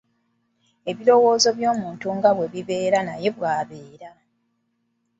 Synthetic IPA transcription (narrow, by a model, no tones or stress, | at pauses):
e̞βilo̞wo̞ːzo̞βjo̞ːmuːntuŋɡaβwe̞βiβe̞ːɾanaje̞βwaːβe̞ːɾa